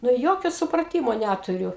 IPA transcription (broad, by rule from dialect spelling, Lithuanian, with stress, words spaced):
nʊ ˈjoːkʲoː sʊprɐˈtʲiːmoː ˈnʲætʊrʲʊ